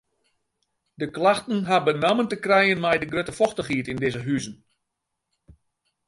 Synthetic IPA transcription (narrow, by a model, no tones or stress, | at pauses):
dəklaxtən̩ɦabənaməntəkrɛjənmɛjdəɡrøtəfɔxtəχiətɪndɪzəɦyzən